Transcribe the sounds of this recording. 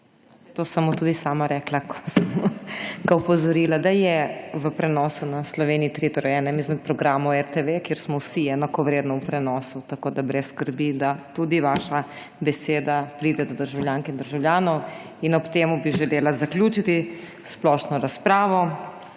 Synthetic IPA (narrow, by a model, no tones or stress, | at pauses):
t̪oːsɐmːot̪uːd̪isaːmaɾɛːklakʰɔ̥səmɔɡaupɔzɔɾiːlad̪ajɛʋəpɾɛnɔːsunaslɔʋeːniit̪ɾit̪ɔɾɔjɛnɛmizmɛt̪̚pɾɔɡɾaːmɔwɛɾt̪eʋekjeːɾsmɔwsiɛːnakɔʋɾeːd̪nɔupɾɛnɔːsut̪akoːd̪abɾɛsːkəɾbid̪at̪ud̪iʋaːʃa | bɛseːd̪apɾiːd̪ɛd̪ɔd̪əɾʒawljaːŋkind̪əɾʒawljaːnɔw | inɔpt̪eːmubiʒɛleːlazaklʲjuːt͡ʃit̪i | splɔʃnɔɾaspɾaːʋɔ